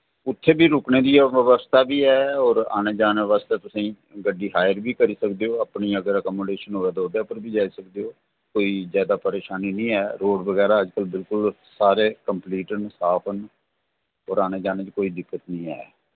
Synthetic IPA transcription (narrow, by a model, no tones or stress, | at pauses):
ʊt̪ʰːeːbʱiːɾʊkneːd̪iːɛʋəʋəst̪aːbiːɛːɔːɾa̰ːneːd͡ʒaːneːʋaːst̪eːt̪ʊsĩː | ɡəɖiːɦaːjəɾbiːkəɾiːsəkd̪eːoːaːpniːəɡəɾəkɔːmoːɖeːʃənoːɛːd̪oːd̪aːpəɾbʱiːd͡ʒaːisəkd̪eːoː | koːiːzjaːd̪aːpəɾeːʃaːniːnĩːɛːɾoːɖbəɡɛːɾaːəd͡ʒkəlbɪlkʊl | saːɾeːkəmpliːʈənsaːpʰən | ɔːɾaːneːd͡ʒaːneːt͡ʃkoːiːd̪ɪkːət̪nĩːɛ̰ː